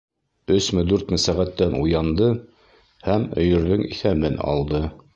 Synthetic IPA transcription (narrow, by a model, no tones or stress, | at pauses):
ɵ̆smɘd̪ʉɾt̪mɘsæʁæt̪ːænujɑnd̪ɤ | hæmɵ̆jɵ̆ɾðɵŋḭθæmɘnɑ̰lˠd̪ɤ